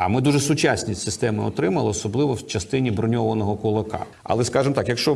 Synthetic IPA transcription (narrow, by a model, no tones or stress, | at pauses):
ɐmɪd̪uʒɛsʊt͡ʃasʲnʲisʲsɪst̪ɛmɪɔt̪ɾɪmɐlˠɪɔsɔblˠɪʋɔwt͡ʃɐst̪ɪnʲibɾɔnʲɔʋɐnɔɦɔkʊlˠɐkɑ̰ | ɐ̰lˠɛskɑʒɪmt̪ɑkjɐkʃt͡ʃɔ